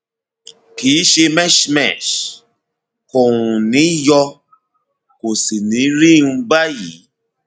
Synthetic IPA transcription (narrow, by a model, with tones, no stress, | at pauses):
kiː˨˦ʃe˧mɛ˦ʃmɛ̰˨ʃ | ko˨ɾũ˨nĩ˨˦jɔ˧ | ko˨si˨nĩ˨˦ɾi˦˨˧ũ˧ba˦ji˨˦